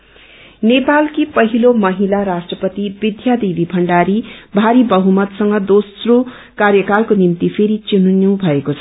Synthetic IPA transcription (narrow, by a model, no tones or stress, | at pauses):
nepalkipʌɦilomʌɦilaɾasʈrʌpʌt̪ibid̪ʱjad̪ibibʱʌɳɖaɾibʱaɾibʌɦumʌt̪sʌŋɡʌd̪osro | karjʌkalkonimt̪ipʰeɾit͡sinunjũw̃bʱʌekot͡sʰʌ